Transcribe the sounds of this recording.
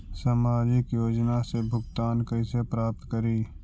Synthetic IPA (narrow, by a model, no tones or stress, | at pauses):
saːmaːd͡ʒɪkjoːd͡ʒnasebʱʊɡt̪aːnkəisepɾaːp̚t̪kəɾiː